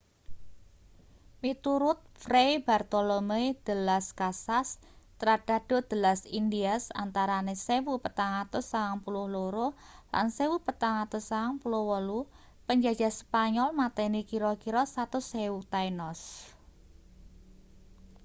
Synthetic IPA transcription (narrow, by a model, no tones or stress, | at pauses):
mit̪uɾʊt̪̚frejb̥art̪olomejd̪̥əlaskasast̪ɾad̥a̤dɖ̥o̤d̪̥ə̤lasindiasa̰nt̪aɾanesewupət̪aŋat̪ʊsaaŋpulʊhloɾola̰nsewupət̪aŋat̪ʊsaaŋpulʊhwəlu | pəɲd͡ʒad̥d͡ʒa̤spaɲɔlmat̪ɛnikiɾɔkiɾɔsat̪ʊsewut̪ajnɔs